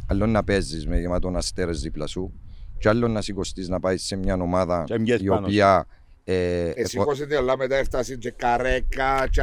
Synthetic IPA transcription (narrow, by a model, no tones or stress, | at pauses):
ɐlːonːɐpezːizmeʝemat̪onast̪eɾeziplasut͡ʃalːonːɐsikost̪iznɐpaisːemɲanomaðɐioia | eesːikosit̪ilːamet̪aɛɾt̪asid͡ʒɛkːaɾekːat͡ʃ